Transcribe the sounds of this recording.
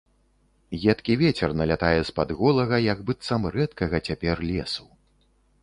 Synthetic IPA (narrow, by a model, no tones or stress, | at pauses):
ɣʲɛt̪kʲivʲɛt͡sʲɛrnɐlʲat̪ajɛspad̪ɣɔlˠɐɣɐjɐɡbɨt̪sɐmrɛt̪kɐɣɐt͡sʲapʲɛrlʲɛsu